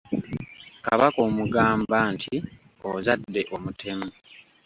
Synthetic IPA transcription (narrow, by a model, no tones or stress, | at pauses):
kaβako̞ːmuɡaːmbaːntʰi | ozadːe̞ʔo̞mutʰe̞mu